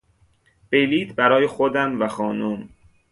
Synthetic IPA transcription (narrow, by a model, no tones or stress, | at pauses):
b̥ejliːt̪bæɾɒːjexod̪æmvæxɒːnum